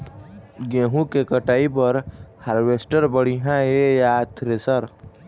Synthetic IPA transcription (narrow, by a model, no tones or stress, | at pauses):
ɡẽːɦũkekəʈaːipɐɾhaɾʋeːsʈəɾbəɽ̤iɦãejat̪ʰɾesəɾ